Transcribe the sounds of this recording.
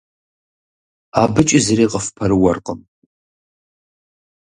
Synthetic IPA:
abɨt͡ʃʼɪzreːqʼəfpʰɐɾɨwɐrqʼəm

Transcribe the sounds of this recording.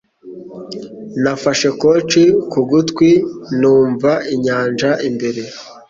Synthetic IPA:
nafaʃe̞kot͡ʃikuɡutkwinuːɱvaiɲaːnd͡ʒaʔimbe̞ɾe̞

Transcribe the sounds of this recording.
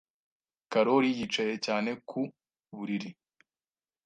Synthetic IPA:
kaɾoɾijit͡ʃaje̞caːne̞kʰu | βuɾiɾi

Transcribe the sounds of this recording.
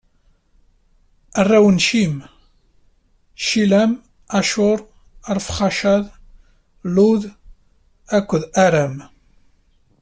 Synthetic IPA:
ərːæwənʃim | ʃilæm | æʃʊɾˤ | əɾˤfχɑʃæðˤ | luð | ækʷːəðæɾæm

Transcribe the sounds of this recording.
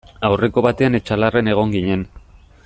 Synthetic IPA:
awre̞ko̞βat̪e̞ane̞t͡ʃalare̞ne̞ɣ̞o̞ŋɡiɲe̞n

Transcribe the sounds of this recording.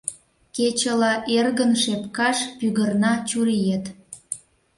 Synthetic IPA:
ket͡ɕəlɑʔerɣənʃepkɑʃpyɣərnɑt͡ɕuɾijet̪

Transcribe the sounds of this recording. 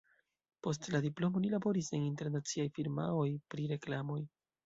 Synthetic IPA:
po̞stladiplo̞mo̞nilabo̞ɾiseninte̞ɾnat͡siajfiɾma̰o̞jpɾiɾe̞klamo̞j

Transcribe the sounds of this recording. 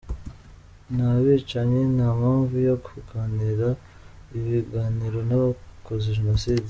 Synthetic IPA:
naβit͡ʃaɲenamaːɱvujokuɡaːniɾa | iβiɡaːniɾo̞naβakozeʒenosiːdi

